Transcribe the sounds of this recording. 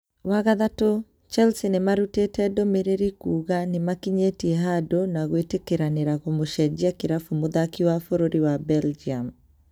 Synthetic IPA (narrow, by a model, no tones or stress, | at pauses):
waɣaðato | t͡ʃalsinemaɾutetɛdomeɾeɾikuːɣanemakiɲetiɛɦadonaɣwetekeɾaneɾaɣomoʃɛd͡ʒiakeɾafumoðakiwafoɾoɾiwabɛld͡ʒiam